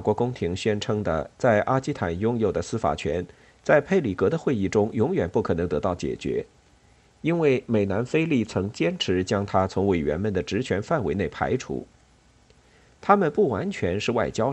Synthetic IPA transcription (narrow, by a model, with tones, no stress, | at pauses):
a˥˩kwɔ˧˥kʊ˥ŋt̪ʰi˧˥ŋɕɥɛ˥nʈ͡ʂʰɤ˥ŋd̪ə̰˧t͡sa˥˩ɪʔa˥t͡ɕi˥t̪ʰa˨˩njʊ˥ŋjo˨˩ʊd̪ə˦sɹ̩˥fa̰˨˩t͡ɕʰɥɛ˧˥n | t͡sa˥˧ɪpʰe˥˩ɪli˨˩kɤ˧˥d̪ə˧xwe˥˧ɪi˥˩ʈ͡ʂʊ˥ŋjʊ˧˥ŋɥɛ˨˩npu˥˩kʰɤ˨˩ɤ˧˥ŋt̪ɤ˧˥t̪ɑ˥˩ʊt͡ɕjɛ̰˨˩t͡ɕɥɛ̰˧˥ | i˥nwe˥˩ɪme˨˩ɪna˧˥nfe˥ɪli˥˩t͡sʰɤ˧˥ŋt͡ɕjɛ˥nʈ͡ʂʰɻ̩˧˥t͡ɕjɑ˥ŋt̪ʰa˥t͡sʰʊ˧˥ŋwe˨˩ɪɥɛ̰˧˥nmə˨˩nd̪ə˩ʈ͡ʂɻ̩˧˥t͡ɕʰɥɛ˧˥nfa˥˩nwe˧˥ɪne˥˩ɪpʰa̰˧˥ɪʈ͡ʂʰṵ˧˥ | t̪ʰa˥mə˨npu˥˩wa˧˥nt͡ɕʰɥɛ˧˥nʂɻ̩˥˧wa˥˩ɪt͡ɕjɑ˥ʊ